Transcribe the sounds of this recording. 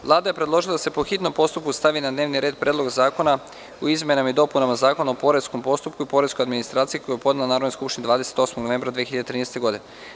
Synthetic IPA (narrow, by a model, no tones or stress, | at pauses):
ʋlˠaːd̪aje̞pɾed̪lˠo̞ʒilˠad̪asepo̞xit̪no̞mpo̞st̪up̚kust̪aʋinad̪neːʋniɾeːd̪̚pɾʲʔed̪lo̞ɡazaːko̞na | uizmʲenamaid̪o̞punamazaːkonaopo̞ɾe̞skompo̞st̪upkuipo̞ɾe̞sko̞jad̪minist̪ɾaːt̪sijikojujepo̞d̪nelanaːɾod̪njskupʃt̪inid̪aːd̪ese̥t̪o̞smoɡnoʋe̞mbɾad̪ʋijexiʎad̪et̪ɾiːnest̪eɡo̞d̪ine